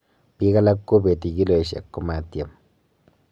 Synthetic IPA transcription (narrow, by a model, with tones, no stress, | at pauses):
pi˦ɣa˦la˦kːu˦be˨t̪i˨ɡi˦lo˨e˨ʃa̰˨kːo˦ma˦t̪ja˨m